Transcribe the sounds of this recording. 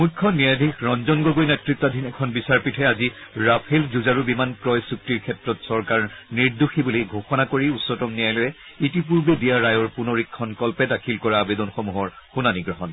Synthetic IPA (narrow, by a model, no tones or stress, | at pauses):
mukʰːɔniadʱikɹɔnzɔnɡɔɡojnɛtɹit̪ːadʱinɛkʰɔnbisaɹpitʰɛaziɹapʰelzuzaɹubimankɹɔjsuk̚tiɹkʰɛtɹɔtsɔɹkaɹniɹduxibuliɡʱoxɔnakoɹiusːɔtɔmnijajlojɛ | itip̬uɹbedijaɹajɔɹpunoɹikʰːɔnkɔlpɛdakʰilkɔɹabedɔnxɔmuɦɔɹxunaniɡɹɔɦɔn